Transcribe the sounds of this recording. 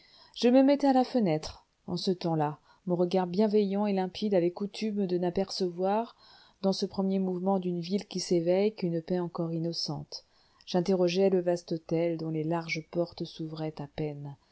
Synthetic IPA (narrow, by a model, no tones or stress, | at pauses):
ʒ̥əməmɛt̪ɛalafənɛt̪χ | ɑ̰̃sət̪ɑ̃la | mɔ̃ʁəɡaʁbjɛ̃vɛjɑ̃elɛ̃pʰid̪avɛkut̪ʰymd̪ənapɛʁsəvwaʁ | d̪ɑ̃səpχəmjemuvmɑ̃d̪ynvilkʲisevɛjkynpɛɑ̃kɔʁinɔsɑ̰̃t̪ | ʒ̥ɛ̃t̪eʁɔʒɛləvast̪ɔt̪ɛld̪ɔ̃lelaʁʒəpɔʁt̪suvʁɛt̪apɛn